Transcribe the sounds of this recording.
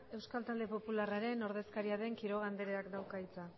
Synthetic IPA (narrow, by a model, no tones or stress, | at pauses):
e̞wskalt̪ald̪e̞po̞pularaɾe̞no̞ɾðe̞skaɾiaðe̞ŋkiɾo̞ɣ̞and̪eɾeakd̪awkait͡sa